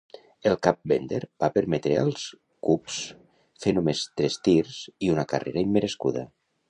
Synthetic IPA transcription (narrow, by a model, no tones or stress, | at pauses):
elˠkap̚bend̪eɾb̥apəɾmet̪ɾealˠs | kups | fenumest̪ɾest̪iɾz̥iunəkareɾaimːeɾeskṵðə̰